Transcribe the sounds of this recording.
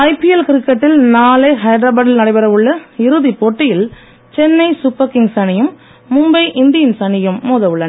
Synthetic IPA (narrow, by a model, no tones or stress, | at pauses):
ɐɪpɪɛlkɪɾɪkːɐʈːɪlnaːleɦɐɪɖɾaːbɐɽɪlnɐɽɐɪbɐɾɐʋɯɭːɐɪɾɯðipoʈːɪjɪl | t͡ʃɛnːɐɪsʊpːɐkɪŋsɐnɪjɯmː | ʊmbɐɪʔɪnd̪ɪjɐnsɐnɪjɯmːuːðɐʋɯɭːɐnɐ